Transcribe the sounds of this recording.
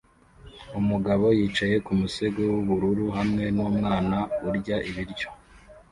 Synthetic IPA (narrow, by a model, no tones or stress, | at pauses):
umuɡaβo̞jiːt͡ʃaje̞kumuse̞ɡowuβuɾuɾuɦamŋe̞nuːmŋaːnauɾɟaʔiβiɾɟjo̞̥